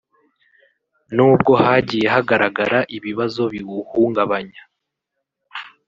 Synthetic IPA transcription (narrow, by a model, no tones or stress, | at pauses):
nuːb̚ɡo̞haɟiːje̞ɦaɡaɾaɡaɾaʔiβiβazo̞βiɡuhuːŋɡaβaɲa